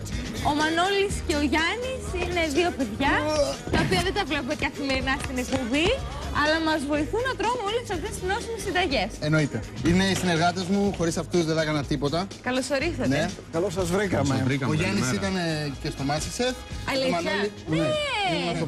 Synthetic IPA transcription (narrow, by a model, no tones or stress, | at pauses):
o̞mɐno̞lisce̞oʝɐnisine̞ðio̞pe̞ðʝɐt̪ɐopiɐðed̪ɐvle̞p̬ot̪ikɐθime̞ɾinɐst̪inepobi | ɐlɐmɐzvo̞iθunɐt̪ɾo̞noo̞lesɐft̪est̪ino̞simisind̪ɐʝe̞seno̞it̪e̞ | ine̞isine̞ɾɣɐt̪e̞zmuxo̞ɾisɐft̪uzðeθɐkɐnɐt̪ipo̞t̪ɐkɐlo̞so̞ɾisɐtne | kɐlosɐzvɾikɐmeɾɐoʝɐnisit̪ɐnecest̪o̞mɐsɐsefɐli | ɐ